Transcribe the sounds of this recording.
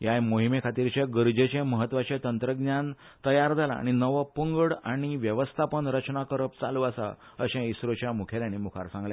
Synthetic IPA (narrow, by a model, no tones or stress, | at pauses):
jajmoɦimekʰat̪iɾt͡ɕeɡəɾd͡ʑet͡ɕẽməɦət̪ːʋat͡ɕẽt̪ənt̪ɾəɡnjan | t̪əjaɾd͡zʱala̰ːɽ̃inəʋəpəŋɡəɽaɽ̃iʋjəʋəst̪ʰapəɳɾət͡ɕnakəɾəp̚t͡saluːəsa̰ | əɕɛ̃isɾot͡ɕjamukʰeljãnimukʰa̰ɾsãŋɡlẽ